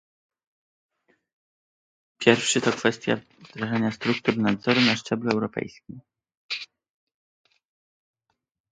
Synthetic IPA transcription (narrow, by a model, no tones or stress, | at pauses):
pʲjɛɾfʂɘt̪ɔkfɛst̪ʲja̰ | d̪ɾaʐaɲast̪ɾuk̚t̪uɾnad̪zɔɾunaʂt͡ʂɛbluɛwɾɔpɛ̰jskʲim